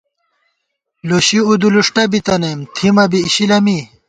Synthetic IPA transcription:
loɕiud̪uluʂʈɐbit̪ɐnemt̪ʰimɐbiːɕilɐmi

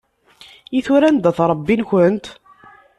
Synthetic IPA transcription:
jiθuɾænd̪æθɾˤəbːinçənt̪

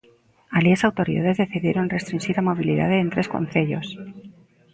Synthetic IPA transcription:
aljesawt̪o̞ɾḭða̰ðe̞zðe̞θiðjeɾo̞nre̞st̪ɾinxiɾamo̞β̞iliða̰ðeːnt̪ɾe̞sko̞̰nθe̞ʎo̞s

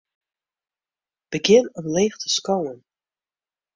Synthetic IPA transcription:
b̥əɡɪnənleːχtʰə̥skowən

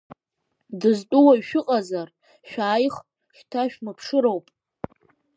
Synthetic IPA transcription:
dɨztʼuwaɥʃᶣʊqʼazar | ʃᶣaːjχ | ʃtʰaʃᶣmɨpʰʂɨɾowpʼ

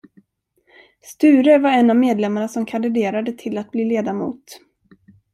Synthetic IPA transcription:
st̪ʉ̟ːɾəvaɾɛnːavmeːd̪lɛmːaɳasɔmkʰand̪ɪd̪eːɾad̪ət̪ʰɪlat̪̚bliːleːd̪amṵːt̪

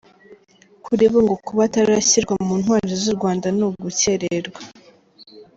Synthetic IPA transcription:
kʰuɾiβoŋɡokuβataɾaɕiɾɡwamuːn̥waːɾiɾizuɾɡwaːndanuɡuce̞ɾeɾɡwa

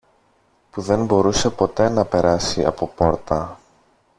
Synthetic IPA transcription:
puðe̞nbo̞ɾuse̞po̞t̪e̞nɐpe̞ɾɐsiɐ̰po̞po̞ɾt̪ɐ

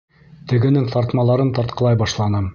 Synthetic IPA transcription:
t̪ɘ̆ɡɘ̆nɘŋt̪ɑɾt̪mɑlˠɑɾɤnt̪ɑɾt̪̚qʰɤ̆lˠɑjbɑʃlˠɑnɤm

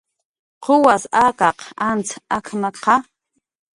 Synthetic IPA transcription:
qʰʊwasakɑqant͡sʰakʰmaqʰɑ

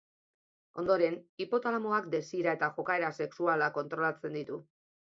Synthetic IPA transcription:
o̞̰nd̪o̞ɾe̞nipo̞t̪alamoakd̪e̞siɾae̞t̪aʝo̞kae̞ɾase̞ksualako̞nt̪ɾo̞lat͡se̞nd̪it̪u

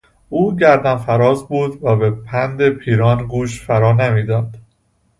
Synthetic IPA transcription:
ʔuːɟæɾd̪ænfæɾɒːzbuːd̪væbepʰænd̪epʰiːɾɒːnɡuːʃfæɾɒːnemiːd̪ɒːd̪̥

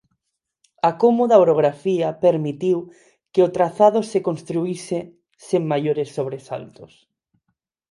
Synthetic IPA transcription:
akomoðaoɾoɣ̞ɾafiɐpeɾmit̪iw | keot̪ɾaθaðosekõnst̪ɾuise | seŋmajoɾesːoβɾesa̰lt̪os

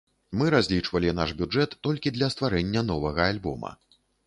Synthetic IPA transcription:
mɨɾazʲlʲit͡ʂvɐlʲinaʂbʲud͡ʐɛt̪ːɔlʲkʲid̪lʲɐst̪vaɾɛnʲːɐn̪ɔvɐɣɐalʲbɔ̰mɐ̰

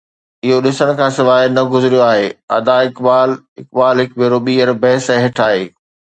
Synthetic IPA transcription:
ɪɦoɗɪsəɽ̃̆kʰãːsɪʋaːnɐɡʊzɪɾjoaːɦeːɐ̰d̪aɪkbaːl | ɪ̰k̚baːlɦɪkbeːɾoɓiːəɾbɛɦɪsɛ̃ːɦɪʈʰaːɦeː

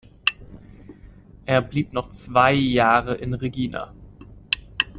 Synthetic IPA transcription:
ʔeːɐbliːpnɔχt͡sv̥aɪjaːʁəʔɪnʁeɡiːna̰

